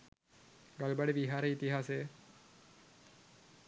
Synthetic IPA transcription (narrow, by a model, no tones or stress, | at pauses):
ɡalbaɖeʋiɦaːɾəit̪iɦasejə